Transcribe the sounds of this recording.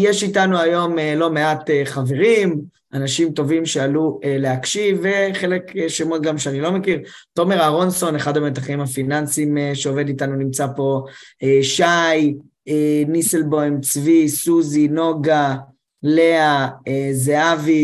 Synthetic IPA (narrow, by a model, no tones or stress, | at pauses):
jeʃitanuajo̞melo̞me̞ateχave̞ʁim | ʔanaʃimto̞vimʃealuele̞akʃiveχe̞lekeʃemotɡamʃeanilo̞me̞kiʁto̞me̞ʁaʁonso̞neχadamet̪aχimafinansimeʃeo̞ve̞ditanunimt͡sapo̞eʃaj | eniselbojmt͡svisuzino̞ɡa | le̞aezeavi